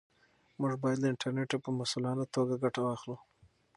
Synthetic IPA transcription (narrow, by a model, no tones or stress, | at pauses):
muʐbɑjad̪ləɪɳʈʰaɾneʈopəmasulɑnat̪oɡaɡaʈawɑxlu